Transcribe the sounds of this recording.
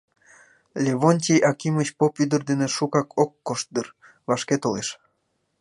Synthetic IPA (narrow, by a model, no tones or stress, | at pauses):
lʲeβonʲtʲijʔɑkimət͡ɕpopyd̪ərd̪eneʃukɑkʰokːoʃt̪̚d̪ɯr | vɑʃket̪oleʃ